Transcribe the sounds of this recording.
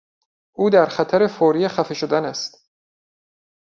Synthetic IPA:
ʔuːd̪æɾxæt̪ʰæɾe̞foːɾijexæfeʃod̪ænæst̪

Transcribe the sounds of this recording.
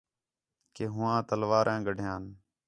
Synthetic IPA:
keːɦʊʋãːt̪əlʋaːɾʔɛ̃ːɡəɖʱɪjãːn

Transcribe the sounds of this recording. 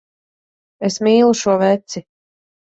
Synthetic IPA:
esmiːlˠuʃuɔvɛt̪si

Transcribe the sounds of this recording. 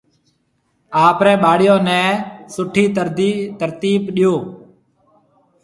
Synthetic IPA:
aːpɾɛ̃ːɓaːɽɪjõːnɛ̃ːsʊʈʰiːt̪əɾd̪it̪əɾt̪iːpɗɪjoː

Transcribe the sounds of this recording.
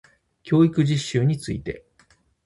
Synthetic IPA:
kʲʰo̞ːikɯ̟ʑiɕːɨːɲ̟it͡sɨḭt̪e̞̰

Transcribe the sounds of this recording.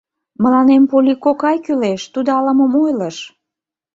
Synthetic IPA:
mə̆lɑnempolʲikokɑjkyleʃt̪ud̪oɑləməmojləʃ

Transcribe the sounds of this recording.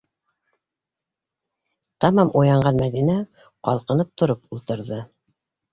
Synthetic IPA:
t̪ɑmɑmʔujɑɴɢɑnmæðinæ | qɑlˠqɤ̆nɤp̚t̪ŏɾopulˠt̪ɤ̆ɾðɤ

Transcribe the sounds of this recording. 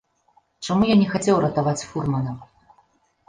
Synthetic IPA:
t͡ʂamujanʲɛxat͡sʲɛwɾɐt̪avat͡sʲfurmɐnɐm

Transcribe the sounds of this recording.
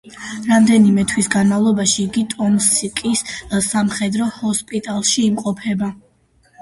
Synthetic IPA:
ɾamd̪ɛnimɛt̪ʰwisɡanmavlˠɔbaʃiːɡit̪ʼɔmsikʼissamχɛd̪ɾɔhɔspʼit̪ʼalˠʃiːmqʼɔpʰɛba

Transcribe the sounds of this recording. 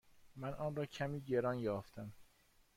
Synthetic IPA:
mænʔɒːnɾɒːcʰæmiːɟe̞ɾɒːnjɒːft̪ʰæm

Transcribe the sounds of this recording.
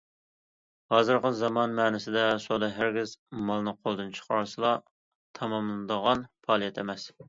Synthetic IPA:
hɑːzɨɾqəzɑmɑnmɛːnɪsɪd̪ɛsod̪ɑɦæɾɡʲɪzmɑlˠnɨqʰolˠd̪ɨnt͡ʃʰə̥qʰɑɾsɨlˠɑ | t̪ʰɑmɑmlˠɨnd̪əʁɑnpʰɑːlˠijɛt̪ʰemɛs

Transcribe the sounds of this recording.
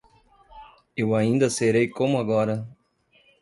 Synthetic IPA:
ewaĩnd̪ɐseɾejkõmʊaɡɔɾɐ

